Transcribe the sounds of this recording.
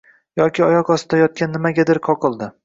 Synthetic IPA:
jɒkʲɪɒjɒqɒsɪd̪ajɒt̪̚kʲanːɪmaɡʲad̪ɪɾqʰɒqʰɨlˠd̪ɪ

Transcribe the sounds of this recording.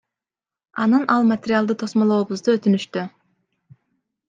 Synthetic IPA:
ɑnɯnʔɑlˠmat̪ʲeɾʲɪalˠd̪ɯt̪ʰo̞smolˠo̞ːbuzd̪uøt̪ynyʃt̪y

